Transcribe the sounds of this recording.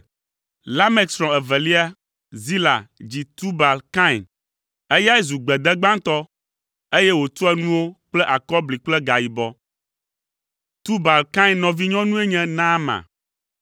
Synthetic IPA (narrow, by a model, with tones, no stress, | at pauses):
la˦mɛ˦˨ksɾɔ̃˨ɛ˨vɛ˨li˦a˦ | zi˦la̰˨d͡ʑi˨t̪u˦ba˨lka˦i˨n | e˦ja˦ɛ˦zu˨ɡ͡bɛ˨d̪ɛ˦ɡ͡bã˦ŋt̪ɔ˦ | e˦jɛ˦wo˨t̪ɔ˦ɛ˦nũ˦wo˦k͡plɛ˦ʔa˨kɔ˦bli˨k͡plɛ˦ɡa˨ji˨bɔ˦ | t̪u˦ba˨lkã˦i˦nnɔ̃˨vi˦ɲɔ̃˦nũ˦e˦ɲɛ̃˦nã˦mã̰˨